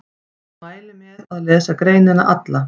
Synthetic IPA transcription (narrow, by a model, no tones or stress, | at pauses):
maːjlɪmɛðaðlɛːsakɾeːjnɪna̰ʔat̪la